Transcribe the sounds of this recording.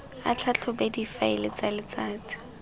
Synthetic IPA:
a̰t͡ɬʰat͡ɬʰɔbedifaɪ̰lɪt͡salɪt͡saːt͡sɪ̥

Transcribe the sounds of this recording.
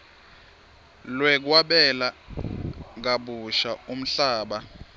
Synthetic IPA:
lwɛk̬waɓɛla | k̬aɓuʃaum̩ɬaːɓa

